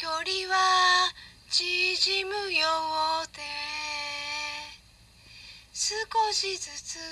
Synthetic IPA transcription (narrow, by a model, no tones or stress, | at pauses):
kʲoɾʲiβa | d͡ʑiʑimɯ̟joβot̪e | sɨkoɕizɨt͡sɨ